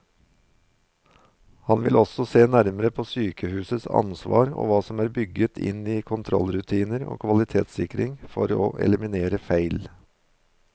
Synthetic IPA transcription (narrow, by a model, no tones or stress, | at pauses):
hɑnʋɪlɔsɔseːnæɾməɾəpʰoːsyːkəhʉːsəsɑ̰nsʋɑ̰ːɾo̰ːʋɑːsɔmæːɾbʏɡət̪ʰɪ̰niːkʰʊnt̪ʰɾɔ̰lɾʉt̪ʰiːnəɾo̰ːkʰʋɑlɪt̪ʰeːt̪sɪkɾɪŋfɔɾo̰ːʔɛ̰ləmɪneːɾəfæɪl